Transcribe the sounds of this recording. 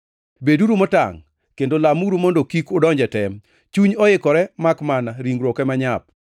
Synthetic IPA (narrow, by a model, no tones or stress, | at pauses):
beduɾumɔta̰ŋ | kendolamuɾumɔndokikʊdɔɲd͡ʒɛtɛm | t͡ʃuɲɔɪkɔɾɛmakmanaɾiŋɡɾɔkɛmaɲap̚